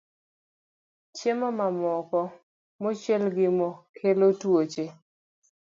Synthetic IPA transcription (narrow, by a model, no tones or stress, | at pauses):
t͡ʃemɔmamɔkɔ | mɔt͡ʃjɛlɡɪmɔkʰelotwot͡ʃe